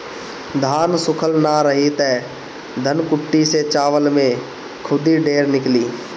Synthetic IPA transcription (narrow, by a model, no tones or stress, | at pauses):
d̪ʱaːnsʊkʰəlnaɾəɦit̪ɛː | d̪ʱənkʊʈːiset͡ʃaːʋəlmẽ | kʰʊd̪iɖeːɾnɪkliː